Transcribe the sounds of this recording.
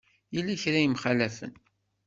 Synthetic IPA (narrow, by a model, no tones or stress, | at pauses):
jilːæçɾæjimχælæfə̰n